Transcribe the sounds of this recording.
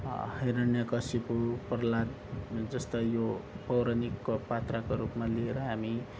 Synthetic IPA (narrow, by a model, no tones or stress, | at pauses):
hʌjɾʌnjʌkʌsipuprlad̪ | d͡zʌst̪ʌjopʌwɾʌnikːopat̪rakoɾupmalieɾʌɦami